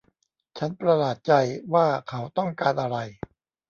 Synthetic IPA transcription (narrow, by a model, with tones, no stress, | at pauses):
t͡ɕʰa˦˥npɾa˧laː˨˩t̪̚t͡ɕa˧jwaː˥˩kʰa˦˥wt̪ɔ˥˩ŋkaː˧nʔa˧ɾa˧j